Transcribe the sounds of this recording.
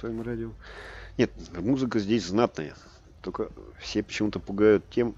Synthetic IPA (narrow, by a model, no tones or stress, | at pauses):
svɐjomradʲɪonʲe̞t̪̚muzɨkəzʲdʲesʲznat̪nəjə̰ | t̪okəfsʲepə̥t͡ɕɪmut̪əpʊɡajʊt̪tʲːe̞m